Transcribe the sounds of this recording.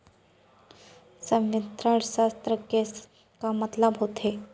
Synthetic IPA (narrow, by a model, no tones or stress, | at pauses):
sə̃mɪt̪ɾəɽʃaːst̪ɾəkes | kamɐt̪ləbɦot̪e